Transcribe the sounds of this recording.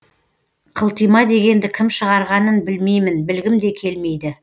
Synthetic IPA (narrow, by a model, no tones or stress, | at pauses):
qʰəlˠt̪ijmɑd̪e̞ɡʲe̞nd̪ɪkʲʰɪmʃəʁɑɾʁɑnənbɪlme̞jmɪnbɪlɡʲɪmd̪e̞kʲʰe̞lme̞jd̪ɪ